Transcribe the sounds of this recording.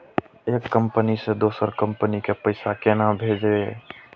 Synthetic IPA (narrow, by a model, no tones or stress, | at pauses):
eːkːəmpənised̪oːsəɾkəmpənikepəɪsakenabʱeːd͡ʒe